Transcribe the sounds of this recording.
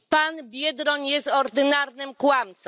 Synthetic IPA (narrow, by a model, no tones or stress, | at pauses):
panbʲjɛd̪ɾɔɲjɛst̪ɔɾd̪ɘnaɾnɘmkwamt̪sɔ̃